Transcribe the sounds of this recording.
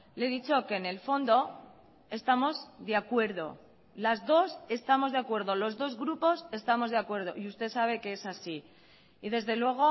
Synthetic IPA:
leðit͡ʃo̞ke̞ne̞lfo̞nd̪o̞ | e̞st̪amo̞zðeakwe̞ɾðo̞̰ | lazðo̞se̞st̪amo̞zðeakwe̞ɾðo̞lo̞zðo̞zɣɾupo̞se̞st̪amo̞zðeakwe̞ɾð̞o̞ʔiust̪e̞saβ̞e̞ke̞e̞sasi | iðe̞zðe̞lwe̞ɣ̞o̞

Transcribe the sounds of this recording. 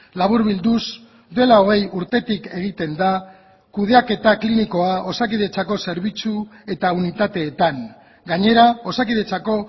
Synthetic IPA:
laβ̞uɾβild̪us | d̪ue̞lao̞ɣ̞e̞juɾt̪e̞t̪ike̞ɣ̞it̪e̞nd̪a | kuð̞eake̞t̪akliniko̞aʔo̞sakiðe̞t͡sako̞se̞ɾβit͡sue̞t̪aunit̪at̪e̞ːt̪aŋ | ɡaɲe̞ɾao̞sakið̞e̞t͡sako̞

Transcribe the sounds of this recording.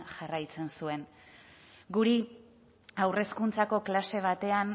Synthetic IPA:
ʝarajt͡se̞nsue̞n | ɡuɾi | awre̞skunt͡sako̞klase̞β̞at̪e̞an

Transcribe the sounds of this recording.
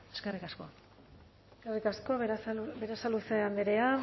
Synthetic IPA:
eskerikasko̞̰ | skerikasko̞beɾasaluseand̪eɾea

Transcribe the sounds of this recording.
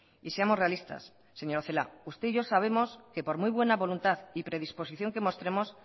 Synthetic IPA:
iseamo̞sre̞alist̪a̰sː | e̞ɲo̞ɾoθela̰ust̪eiʝo̞saβ̞e̞mo̞ske̞po̞ɾmujβ̞we̞naβo̞lunt̪aθipɾe̞ðispo̞siθjo̞ŋke̞mo̞st̪ɾe̞mo̞s

